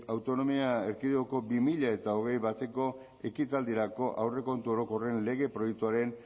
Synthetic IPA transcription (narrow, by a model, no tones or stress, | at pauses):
awt̪o̞no̞miaeɾkiðeoko̞bimiʎae̞t̪ao̞ɣ̞e̞jβat̪e̞ko̞ | e̞kit̪ald̪iɾako̞ʔawre̞ko̞nt̪uo̞ɾo̞ko̞re̞nle̞ɣ̞e̞pɾo̞jek̚t̪uaɾe̞n